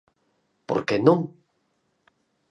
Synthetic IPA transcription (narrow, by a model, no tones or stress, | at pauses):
po̰ɾkenõŋ